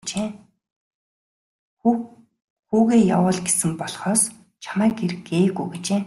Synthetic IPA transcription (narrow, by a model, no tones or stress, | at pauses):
t͡ɕeː | xuːɣeːja̰wə̆ːɮɡesɘ̆mpɔɮχɔːs | t͡ɕʰamæːkeɾ̆ɡeːɣujɡet͡ɕeː